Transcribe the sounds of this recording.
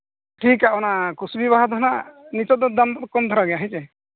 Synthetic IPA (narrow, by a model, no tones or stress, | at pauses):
ʈʰikaɔnakusbibaɦad̪ʱɔnanit͡ʃɔd̪ɔd̪amkɔmd̪ʱɔɾaɡɛjaɦĩt͡ʃɛ